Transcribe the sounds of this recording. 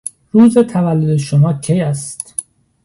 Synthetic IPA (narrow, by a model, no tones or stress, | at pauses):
ɾuːzet̪ʰævælːod̪eʃomɒːcʰejæst̪